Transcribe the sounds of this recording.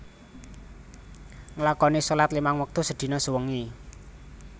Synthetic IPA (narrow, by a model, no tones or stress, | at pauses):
ŋlakɔnisolat̪limaŋwək̚t̪usəd̪̥i̤nɔsuwəŋi